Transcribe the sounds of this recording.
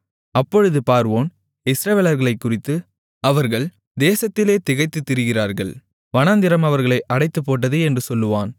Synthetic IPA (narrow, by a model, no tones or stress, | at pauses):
ɐpːɔɻɯðɯpaːɾʋoːn | ɪsɾɐʋeːlɐɾɣɐɭɐɪkːʊrɪt̪ːɯ | ɐʋɐɾɣɐɭ | d̪eːsɐt̪ːɪleːt̪ɪɣɐɪt̪ːɯt̪ːɪɾɯɣɪraːɾɣɐɭ | ʋɐnɐnd̪ɪɾɐmɐʋɐɾɣɐɭɐɪʔɐɽɐɪt̪ːɯpːoːʈ̬ːɐðɯɛndrɯsɔlːɯʋaːn